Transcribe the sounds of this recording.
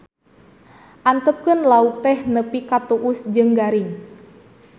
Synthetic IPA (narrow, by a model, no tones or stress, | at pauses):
ʔant̪əp̚kənlauk̚t̪ɛhnəpikat̪uʔʊsd͡ʒɨŋɡaɾɪŋ